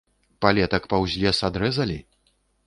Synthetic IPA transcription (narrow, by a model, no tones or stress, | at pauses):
palʲɛt̪ɐkpɐwzʲlʲɛsad̪ɾɛzɐlʲi